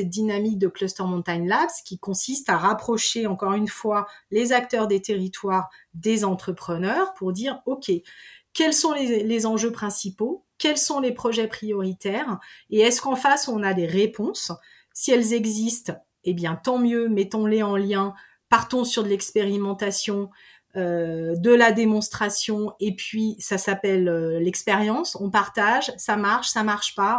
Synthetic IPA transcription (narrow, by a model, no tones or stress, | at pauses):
ɛt̪̚d̪inamik̚d̪əklɔst̪œʁmɔ̃t̪aɲlapskʲikɔ̃sist̪aʁapχɔʃeɑ̃kɔʁynfwalezak̚t̪œʁd̪et̪eʁit̪waʁd̪ezɑ̃t̪χəpχənœʁpuʁd̪iːʁɔkʲekʲɛlsɔ̃lelezɑ̃ʒøpχɛ̃sipo | kʲɛlsɔ̃lepχɔʒɛpχijɔʁit̪ɛʁeɛskɑ̃fasɔ̃nad̪eʁepʰɔ̃sː | iɛlzɛɡzist̪ | ebjɛ̃t̪ɑ̃mjømɛt̪ɔ̃leɑ̃ljɛ̃ | paʁt̪ɔ̃syʁd̪əlɛkspeʁimɑ̃t̪asjɔ̃ | ød̪əlad̪emɔ̃st̪χasjɔ̃epɥisasapɛlølɛkspeʁjɑ̃sɔ̃paʁt̪aʒsamaʁʃsamaʁʃpa